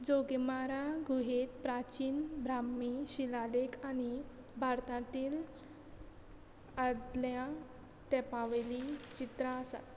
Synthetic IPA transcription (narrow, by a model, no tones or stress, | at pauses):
d͡zoɡemaɾaɡʱuɦet̪pɾat͡ɕiːnbɾamiɕilalekʰañi | bʱaɾt̪ãt̪iːl | əd̪ljã | t̪ɛpãʋelit͡ɕit̪ɾəəsa̰t̪